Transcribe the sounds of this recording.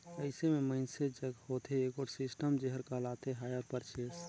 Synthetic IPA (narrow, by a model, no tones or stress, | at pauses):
əɪsemẽməɪnsed͡ʒəɡhoːt̪ʰeeːkɔːʈsɪsʈəmd͡ʒeɦəɾkəlaːt̪eɦaːjəɾpəɾt͡ʃeːs